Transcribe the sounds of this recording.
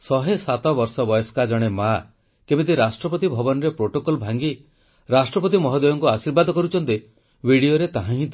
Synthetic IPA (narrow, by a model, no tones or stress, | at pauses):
sɔɦesat̪ɔbɔɾsɔbɔjɔskad͡ʒɔɽ̃ema | kebet̪̬iɾasʈɾɔpɔt̪̬ibʱɔbɔnɔɾepɾoʈokɔlbʱaŋɡi | ɾasʈɾɔpɔt̪imɔɦɔd̪ɔjɔŋkuasiɾbad̪ʱɔkɔɾut͡ʃʰɔnt̪e | bʱiɽioɾet̪aɦãɦĩt̪